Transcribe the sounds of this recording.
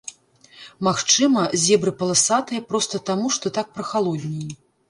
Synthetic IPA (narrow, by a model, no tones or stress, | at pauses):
maxt͡ʂɨmɐzʲɛbɾɨpɐlˠasat̪ɨjɐpɾɔst̪ɐt̪amuʂt̪ɔt̪ak̚pɾɐxalˠɔd̪ʲnʲijji